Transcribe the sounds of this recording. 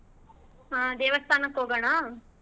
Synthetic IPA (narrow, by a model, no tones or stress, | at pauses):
ɦaːd̪eːʋɐst̪ʰaːnɐkɦoːɡɐɳa